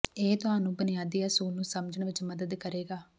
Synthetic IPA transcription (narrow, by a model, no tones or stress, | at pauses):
eːt̪ʊɦaːnũːbənɪjaːd̪iːəsuːlnũːsəmd͡ʒəɳʋɪt͡ʃməd̪əd̪kəɾeːɡaː